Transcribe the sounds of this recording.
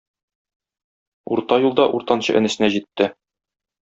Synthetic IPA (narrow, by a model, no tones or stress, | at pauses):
uɾt̪ɑjulˠd̪ɑʔuɾt̪ɑnɕɤ̰ʔɘ̆nɘ̆sɘ̆næʑit̪ːɘ